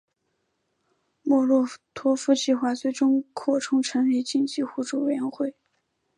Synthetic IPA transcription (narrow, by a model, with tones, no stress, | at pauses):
mwɔ˥˧lwɔ˥˩t̪ʰwɔ˥fu˥t͡ɕʰi˥˩xwa˧˥t͡swe˥˩ɪʈ͡ʂʊ˥ŋkʰɔ˥˩ʈ͡ʂʰʊ˥ŋʈ͡ʂʰə˧˥ŋle˥˩ɪt͡ɕi˥˧ŋt͡ɕi˥˧xu˥˩ʈ͡ʂu˥˩we˥˩jɛ˧˥nxwe˥˩ɪ